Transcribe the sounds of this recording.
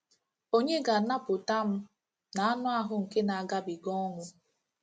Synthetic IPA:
o˦ɲe˦ɡa˨na˦pʊ˨ta˦m̩˦ | na˨a˦nʊ˦a˦ɦʊ˨ŋ̩˨ke˦na˨a˨ɡa˦bi˨ɡɔ˦ŋʊ˦

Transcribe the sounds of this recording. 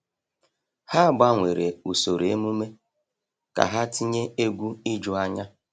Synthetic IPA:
ha˦ba˦ŋʷe˨ɾe˨u˨so˨ɾe˨e˦mu˦me˦ | ka̰˨ɦa˦ti˦ɲe˦e˦ɡʷu˦i˦d͡ʒʊ˦a˦ɲa˦

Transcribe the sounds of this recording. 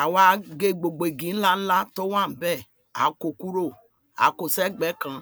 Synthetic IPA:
a˨wa˦ɡe˦˨ɡ͡bo˨ɡ͡be˨ɡi˨˦n̩˦la˦n̩˦la˦to˦wa˦˨m̩˨bɛ˦˨ | a̰˨ko˨ku˦ɾo˦˨ | a̰˨˦ko˨sɛ˦ɡ͡bɛ˨˦kã˨

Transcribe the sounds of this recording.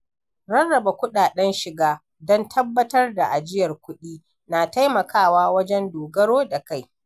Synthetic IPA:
ɾɐ˦rːɐ˨ba˨kʷʊ˦ɗaː˨ɗɛ˦nʃɪ˨ɡaː˦ | dɔ˦ntʰɐ˦bːɐ˦tɐ˦rda˨ʔa˨d͡ʒɪ˦jɐ˨rkʷʊ˦ɗiː˦ | naː˨ta˦jmɐ˨kʰaː˦˨waː˦wɐ˦d͡ʒɛ˦ndoː˨ɡɐ˦ɽoː˦da˨ka˦˨j

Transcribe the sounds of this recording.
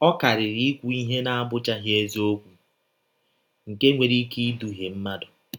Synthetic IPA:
ɔ˦ka˨ɾɪ˨ɾi˦kʷu˨˦i˦ɦe˦na˦a˦bʊ˦t͡ʃa˦ɦje˦zi˦o˦kʷu˨ | ŋ̩˨ke˦ŋʷe˨ɾi˦ki˦du˨ɦe˨m̩˦ma˦dʊ˨

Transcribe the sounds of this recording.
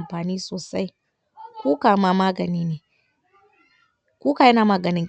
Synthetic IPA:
mɸaː˨niː˦soː˨sa˦j | kʷuː˦kaː˨˦ma˨maː˦ɡɐ˨niː˦neː˨ | kʷuː˦ka˨jɪ˦naː˨maː˦ɡɐ˨nɪ˦ŋ

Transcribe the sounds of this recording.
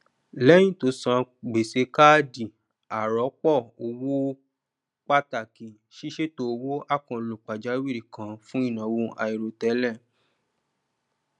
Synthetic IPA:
lɛ˦j̃ĩ˦˨to˧˦sã˧ɡ͡be˨se˨˧˦ka˦di˨ | a˨ɾɔ˨˦k͡pɔ˦˨o˧wo˦ | k͡pa˦ta˨ki˨ | ʃi˦ʃe˦to˧wo˦ʔa˦˨kã˨lo˨k͡pa˨d͡ʒa˨˦wi˦˨ɾi˨kã˨˦fũ˦i˦˨nã˨˦wo˧ʔa̰˧i˨ɾo˨tɛ˨˦lɛ˦˨

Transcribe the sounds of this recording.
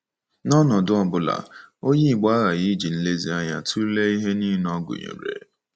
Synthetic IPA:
nɔ˦nɔ˨dʊ˦ɔ˦bʊ˨la̰˨o˦ɲe˦i˨ɡ͡ba˦ɣa˨jɣi˦d͡ʒi˨n̩˦le˦zi˨˦a˦ɲa˦tʰu˦ɾle˦i˦ɦe˦ni˦nɔ˦ɡʊ̰˨ɲḛ˨ɾḛ˨

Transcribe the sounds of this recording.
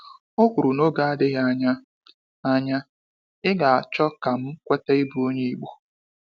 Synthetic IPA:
o˦kʷu˨ɾu˨no˦ɡa˨a˦dɪ˦ɦa˦ɲa˦ | a˦ɲa˦ | ɪ˦ɡa˨a˨t͡ʃɔ˦ka˨m̩˦kʷe˦te˦i˦bu˨˦o˦ɲe˦i˨ɡ͡bu˦

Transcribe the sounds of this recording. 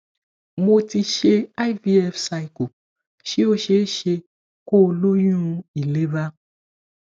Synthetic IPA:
mo˧ti˧ʃe˧a˦jvi˦ɛ˧fsa˧i˨ko˨ | ʃi˦o˧ʃe˨˦ʃe˧ | ko˦˧lo˦jũ˦ũ˧i˨le˦ba˦

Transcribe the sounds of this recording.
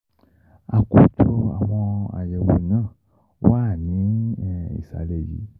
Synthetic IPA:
a˨ko˨tʰɔ˧a̰˨w̃ɔ̃˧a̰˨jɛ˨wo˨nãː˦˨ | wa˦˨nĩ˨˦˨ḭ˦˨sa̰˨lɛ˨jḭ˨˦

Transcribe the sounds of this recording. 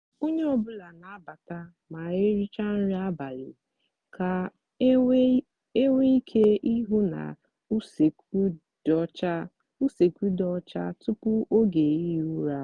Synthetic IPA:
o˦ɲe˦ɔ˨bʊ˦la˨na˨a˦ba˨ta˦ | ma˨e˦ɾi˦t͡ʃa˦n̩˦ɾi˦a˦ba˨lɪ̰˨ | kʰa˨ | e˦wʷe˦i˦kʰe˦i˦ɦu˦na̰˨˦˨ | t͡ʃa˦ | u˦se˨kʷu˦dɔ˦t͡ʃa˦tʊ˦pʊ˦o˦ɡe˨i˦ɦu˦ɾa˦

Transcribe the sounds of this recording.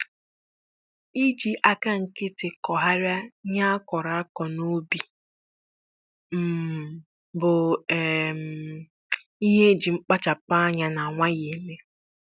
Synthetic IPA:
i˦d͡ʒi˨ʔa˨ka˦ŋ̩˨kɪ˦tɪ˨kɔ˨ɦa˦ɾja˦ɲa˦a˦kɔ˨ɾa˨a˦kɔ˨no˦bi˨ | m̩˨ | bʊ˨ | m | i˦ɦe˦d͡ʒi˨ŋ͡m̩˦k͡pa˦t͡ʃa˨pa˦a˦ɲa˦na˨a˨ŋʷa˦ɣe˨le˦

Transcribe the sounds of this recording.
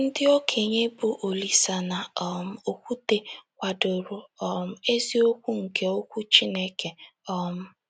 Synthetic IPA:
n̩˦dɪ˦ɔ˦kʰe˨ɲe˦bu˨ʔo˨li˨sa˨na˨˦m̩˦˨o˨kʷu˦te˨kʷa˨dʊ˨ɾʊ˨ɔ˦m̩˦e˦zi˦o˦kʷu˦ŋ̩˨ke˦o˦kʷu˦t͡ʃi˦ne˦ke˨ɔ˦m̩˦

